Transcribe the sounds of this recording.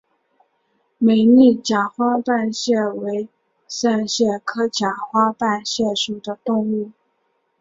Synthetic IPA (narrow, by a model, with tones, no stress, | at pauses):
me˨˩ɪni˥˩t͡ɕja˨˩xwa˥pa˥˧nɕjɛ˥˩we˧˥ɪ | sa˥˧nɕjɛ˥˩kʰɤ˥t͡ɕja˨˩xwa˥pa˥˧nɕjɛ˥˩ʂu˨˩d̪ə˦t̪ʊ˥˧ŋu˥˩